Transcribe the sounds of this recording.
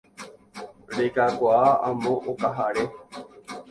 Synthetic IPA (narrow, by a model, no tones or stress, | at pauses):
ɾekakoaamõʔokaɦaɾe